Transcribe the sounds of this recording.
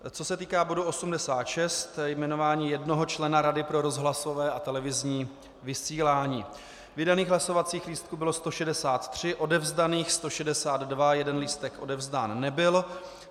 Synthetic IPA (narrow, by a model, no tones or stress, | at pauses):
t͡so̞sɛt̪iːkaːbo̞duo̞sumdɛsaːt̪ʃɛst̪jmɛnovaːɲiːjɛdno̞ɦo̞t͡ʃlɛnaɾadɪpɾo̞ɾo̞zɦlaso̞vɛːat̪ɛlɛvɪzɲiː | vɪsiːlaːɲiː | vɪdaniːɣɦlasovat͡siːxliːst̪̚kubɪlo̞st̪o̞ʃɛdɛsaːt̪t̪r̝̥ɪʔo̞dɛvzdaniːxst̪o̞ʃɛdɛsaːd̪dvajɛdɛnliːst̪ɛkʔo̞dɛvzdaːnːɛbɪl